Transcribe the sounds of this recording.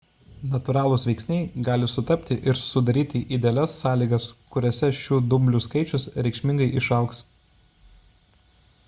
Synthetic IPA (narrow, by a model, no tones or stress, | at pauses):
nɐt̪ʊɾɑːlˠʊsʋʲɛɪksʲnʲɛɪɡɑːlʲɪsʊt̪ɐpʲt̪ʲɪʔɪɾsʊd̪ɐɾʲiːt̪ʲiʔid̪ʲɛlʲɛsːɑːlʲiːɡɐskʊɾʲɛsʲɛʃʲuːd̪ʊmʲbʲlʲʊːskɐɪt͡ʃʲʊsɾʲɛɪkʃʲmʲɪŋɡɐɪʔɪʃɐʊks